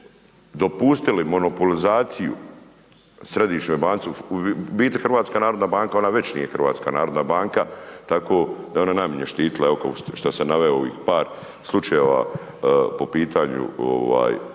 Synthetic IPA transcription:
d̪o̞pust̪ilimo̞nopolizaːt̪sijṵ | sɾe̞d̪iːʃɲo̞jbaːnt̪sibiːt̪exrɾʋaːt̪skanaːɾo̞d̪naːbaːŋkao̞naʋe̞t͡ɕnḭje̞xrʋa̰ːt̪ska̰naːɾod̪nabaːŋkat̪akoːd̪ao̞nanamiɲeʃt̪iːt̪ilˠaeokakoʃt̪asenaʋeooʋḭːxpaːɾ | slˠut͡ʃajeʋa̰ | po̞piːt̪ʰaːɲṵo̰ʋa̰ːj

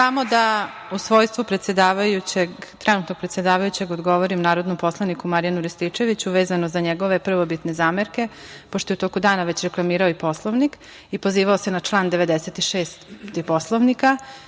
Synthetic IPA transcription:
samo̞d̪a | usʋo̞jst̪vʋupɾet̪sjed̪aːʋajut͡ɕeɡt̪ɾɛnut̪noɡ̚pɾet̪sje̞d̪aːʋajut͡ɕe̞ɡod̪ɡo̞ʋoɾimnaːɾo̞d̪nompo̞slˠanikumaɾjanuɾist̪it͡ʃe̞ʋit͡ɕuʋeːzanozaɲeɡo̞ʋe̞pr̩ʋobit̪nezaːmeɾke̞poʃt̪o̞jeut̪o̞ːkud̪aːnaʋe̞t͡ɕɾeklˠamiːɾaoipo̞slˠoʋnik | ipo̞ziːʋaosenat͡ʃlˠaːnd̪eʋed̪eset̪iʃeːst̪t̪ipo̞slˠoʋnika

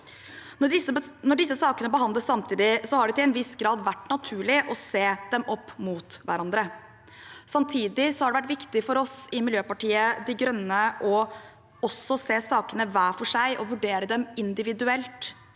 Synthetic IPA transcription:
ɔɪnɔɖɪsːəsɑːkənəbəɦɑnd̪ləssɑmt̪ʰiːd̪ɪsɔhɑɖɛt̪ɪlɛnʋɪsɡɾɑːd̪ʋæʈːnɑt̪ʰʉːɭɪʔɔseːd̪ɛmɔpːmuːt̪ʋæ̰ɾɑnd̪ɾə | sɑmt̪ʰiːd̪ɪsɔhɑɖɛʋæʈ̬ʋɪkt̪ɪfɔɾɔsɪmɪljøːpɑʈiːəd̪ɪɡɾœnːəʔɔ | ɔsɔseːsɑːkənəʋæːfɔʂæɪʔɔʋʉɖeːɾəd̪ɛmɪnd̪ɪʋɪd̪ʉɛlt̪

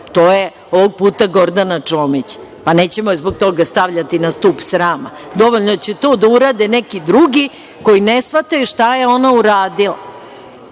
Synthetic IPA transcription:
t̪oːje | oʋoɡ̚puːt̪aɡo̞ɾd̪anat͡ʂoːmit͡ɕpaneːt͡ɕemozboɡ̚t̪o̞ɡast̪aʋʎat̪inast̪upsɾaːma̰d̪o̞ʋoʎʲnot͡ɕɛt̪o̞ːd̪auɾad̪enekid̪ɾuɡi | ko̞inesʋat̪ajuʃt̪aje̞o̞nauɾaːd̪ila̰

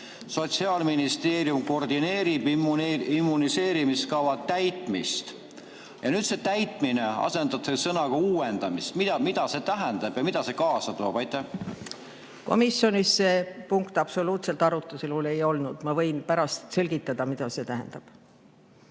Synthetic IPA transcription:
so̞t̪siɑːlminist̪e̞ːɾjumko̞rd̪ineːɾibimuimːunise̞ːɾimiskɑvɑt̪æjt̪ˑmḭst̪ | jɑnyːd̪se̞t̪æjt̪ˑmineɑ̰se̞nd̪ɑb̥sesɤnɑkɑuːend̪ɑmist̪mid̪ɑmid̪̥ɑse̞t̪æɦɛnd̪ɑb̥jɑmid̪̥ɑse̞kɑːsɑt̪oːb̥ɑjt̪ːˑæh | ko̞̰misjo̞nisːepuŋkt̪ɑb̥so̞luːt̪se̞lt̪ɑɾut̪ːˑuselule̞jo̞lnud̪̥mɑvɤ̞jnpæɾɑst̪se̞lɡ̥it̪ːˑɑd̪̥ɑmid̪̥ɑse̞t̪æɦɛ̰nd̪̥ɑb̥

